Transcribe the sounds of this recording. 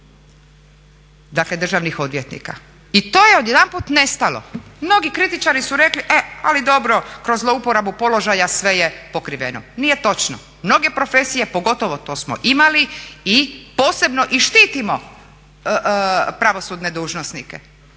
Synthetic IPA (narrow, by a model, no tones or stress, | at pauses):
d̪akle̞d̪r̩ʒaʋnixo̞d̪ʋjet̪nḭka̰ | it̪o̞ːjeo̞d̪jed̪anpuːt̪ne̞st̪alo̞̰mno̞ɡikɾit̪it͡ʃaɾisuɾe̞kliʔea̰lid̪o̞bɾo̞kɾo̞zloupoɾabupo̞lo̞ʒajasʋe̞jepo̞kɾiʋḛno̰nije̞t̪o̞t͡ʃno̰ | mno̞ɡe̞pɾo̞fe̞sije̞po̞ɡo̞t̪oʋo̞t̪o̞ːsmo̰ʔimaliipo̞ːse̞bno̞ʔiʃt̪iːt̪imo̞ | pɾaʋo̞suːd̪ne̞d̪uːʒnosnikḛ